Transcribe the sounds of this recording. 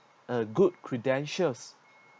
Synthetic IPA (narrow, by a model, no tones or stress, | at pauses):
əɡud̚kʰɹidɛ̃nʃəs